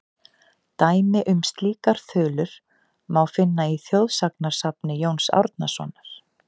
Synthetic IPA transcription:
t̪aːjmɪʔʏmst̪liːkaɾ̥θʏːlʏɾ̥ | mawfɪnːaiθjowðsaknaɾ̥sapnɪjoːwnsa̰wɾt̪nasɔ̰ːnaɾ̥

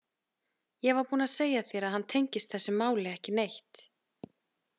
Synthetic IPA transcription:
jɛvaɾpuːnaseːjaθjɛɾaðhanːt̪ʰejɲcɪst̪̚θɛsːɪmaːwlɪɛhcɪnejht̪

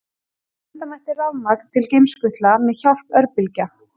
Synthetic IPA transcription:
ɛn̥t̪amajht̪ɪravmak̪t̪ʰɪlcejmskʏht̪lamɛðçal̥pœɾpɪlca

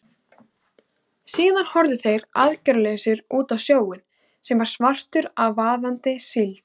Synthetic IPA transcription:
siːðanhɔɾðʏθejɾa̰ðcœɾlɛɣsɪɾuːt̪awsjoːwɪn | sɛmvaɾ̥svar̥t̪ʏɾavvaːðant̪ɪsɪlt̪

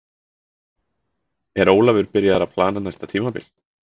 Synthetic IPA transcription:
ɛɾoːwlavʏɾpɪɾjaðɾapʰlaːnanajst̪at̪ʰiːmapɪ̰l̥t̪

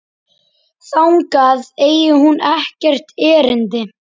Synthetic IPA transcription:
θawŋkaðeːjɪɦunɛhcɛr̥t̪ɛːɾɪnt̪ɪ

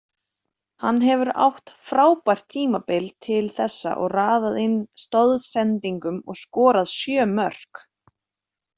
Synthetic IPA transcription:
hanːɦɛvʏɾa̰wht̪fɾaːwpar̥t̪ʰːiːmapɪlt̪ʰɪlθɛsːa̰ʔɔɣraːðaðɪnːst̪ɔððsɛnt̪iŋkʏmɔ̰ɣskɔːɾaðsjœːmœr̥k

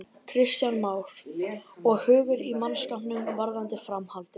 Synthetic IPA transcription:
kʰɾɪst̪janmaːwɾ̥ | ɔɣhʏːɣʏɾimanskamnʏmvaɾðant̪ɪfɾamhalt̪ɪ

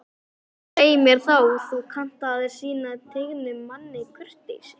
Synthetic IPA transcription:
eːjmjɛɾ̥θawθukʰan̥t̪ːðɪsiːnat̪ʰejɣnʏmːanːɪkʰʏr̥t̪ɪ̰s

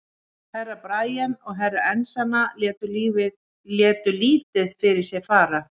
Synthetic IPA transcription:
hɛrːapɾaːjɛnɔɣɦɛrːaɛnsanːaɛtː | ljɛːt̪ʏliːt̪ɪðfɪɾɪɾsjɛɣfaːɾa

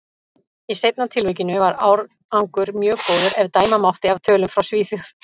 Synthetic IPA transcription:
isejt̪nat̪ʰɪlvʏcɪnʏvaɾaːwɾ | awŋkʏɾmjœːɣpowðʏɾɛvt̪aːjmamawht̪ɪavt̪ʰœːlʏmfɾawsviːθʏ̥

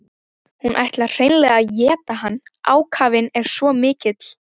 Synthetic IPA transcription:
hunʔa̰jht̪lar̥ejnlɛɣaðjɛːt̪aɦanːʔa̰ːwkʰaːvɪnɛɾ̥svɔmɪːcɪt̪l̥

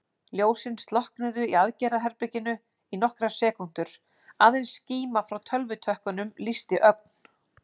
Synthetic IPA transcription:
ljoːwsɪnst̪lɔhknʏðʏiaðcɛːjɾaɦɛɾpɪcɪnʏ | inɔhkɾḁsɛːkɔn̥t̪ʏɾ̥ | aːðejnsːciːmafɾawt̪ʰœlvʏt̪ʰœhkʏnʏmlist̪ɪʔœk̚n̥

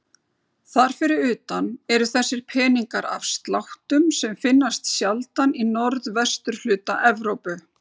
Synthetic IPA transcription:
θaɾ̥fɪɾɪɾʏːt̪anɛɾʏθɛsːɪɾ̥pʰɛːniŋkaɾa̰v̥st̪laht̪ʏmsɛmfɪnːast̪sjalt̪aninɔɾðvɛst̪ʏɾ̥lʏːt̪aʔɛvɾowpʏ

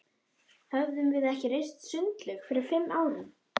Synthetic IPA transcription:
hœvðʏmvɪðɛhcɪɾejst̪sʏnt̪lʏxfɪɾɪɾ̥fɪmːaːwɾɪm

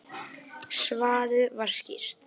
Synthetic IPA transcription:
svaːɾʏvaɾ̥scɪ̰r̥t̪

